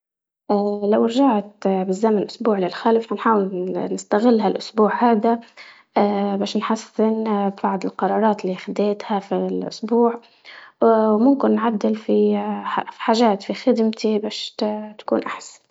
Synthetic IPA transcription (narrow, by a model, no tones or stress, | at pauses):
ʔalawɾʒaʕt̪bɪzːamanʔʊsbuːʕlɪlxalɪfhanħaːwɪlnɪst̪aɣɪlːɦalʔʊsbuːʕhaːd̪a | ʔːbaːʃnħasːɪnbbaʕd̪ɪlqɑɾˤɑːɾˤɑːt̪liːxad̪eːt̪hafilʔʊ̰sbuːʕ | wmʊmkɪnːʕad̪ːɪlfiḁħaːʒaːt̪fixɪd̪mt̪ibaːʃt̪ḁkṵːnʔaħsḁn